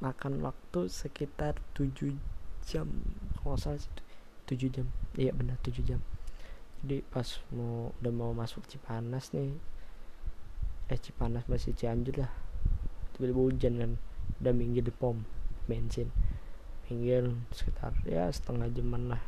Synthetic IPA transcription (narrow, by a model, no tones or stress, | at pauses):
makanwa̰k̚t̪usəkit̪art̪ud͡ʒud͡ʒamkəasalsi̥t̪ud͡ʒud͡ʒamijabənərt̪ud͡ʒud͡ʒamd͡ʒadipasmudamaumasʊk̚t͡ʃipanasnɪ | jat͡ʃipanasmasit͡ʃiaɲd͡ʒʊrlah | t̪ibiliboud͡ʒanŋandamiŋɡɪdipɔmmɛnsɪnmiŋɡɪlsə̥kit̪ʰa̰rja̰sə̥t̪əŋahd͡ʒəmanlah